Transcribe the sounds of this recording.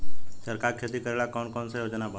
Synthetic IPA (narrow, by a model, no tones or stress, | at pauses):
səɾkaɾkʰet̪ikəɾeɭakɔnkɔnsejod͡ʒnabʱa